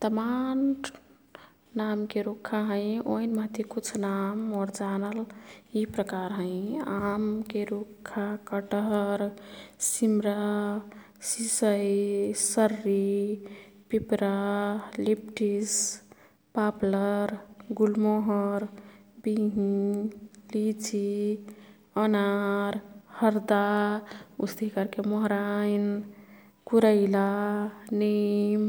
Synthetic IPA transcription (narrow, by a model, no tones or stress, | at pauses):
t̪əman | amkeɾukʰːaɦə̃ɪ̃oinmət̪ekut͡ʃʰnamɔːɾd͡ʒanəlipɾəkaɾɦə̃ɪ̃amkeɾukʰːakəʈəɾsimɾa | sisəisəɾːi | pipɾalipʈis | papləɾɡulmoɦɔɾbiɦĩ | lit͡ʃʰi | ənaɾhəɾd̪a | ust̪ikaɾkemɔɦɾajn | kuɾəɪlanim